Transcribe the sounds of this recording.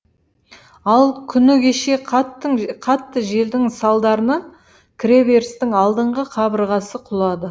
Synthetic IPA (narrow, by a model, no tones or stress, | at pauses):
ɑlˠkʲʰʏnɪkʲeʃe̞qʰɑt̪ːəqʰɑt̪ːəʒe̞ld̪ɪŋsɑlˠd̪ɑɾənɑ | kʲʰɾe̞be̞ɾst̪ɪŋɑlˠd̪əɴʁəqʰɑbəɾʁɑsəqʰʊlˠɑd̪ə